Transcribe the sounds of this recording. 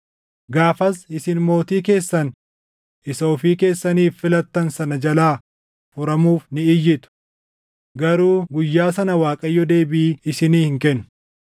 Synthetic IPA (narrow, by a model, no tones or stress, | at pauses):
ɡaːfɐsɪsɪnmo̞ːt̪iːk̬e̞ːsːɐn | ʔɪsoːfiːke̞ːsːɐniːfːɪlɐt̪ːɐnsɐnɐd͡ʒɐlaː | fʊɾɐmuːfnɪɪjːɪt̪ʊ̥ | ɡɐɾuːɡʊjːaːsɐnɐwaːkʼɐjːɔd̪e̞ːbɪːɪsɪniːhɪŋkɛnːʊ̥